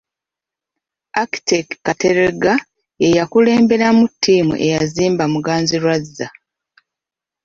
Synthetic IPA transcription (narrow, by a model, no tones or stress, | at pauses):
aki̥tekkːateɾeɡa | ejakule̞ːmbe̞ɾamutʰːiːmṵʔe̞jaziːmbamuɡaːnziɾwazːa